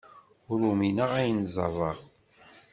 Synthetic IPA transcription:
ʊɾuminəʁæjənzˤɑ̰rˤːɑʁ

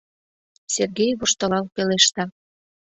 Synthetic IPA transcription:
serɣejβoʃt̪ɤ̆lɑlpeleʃt̪ɑ

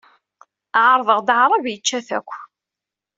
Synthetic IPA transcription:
ʕɾˤðˤəʁd̪ʕɾˤəvjət͡ʃːæθæ̰kʷː

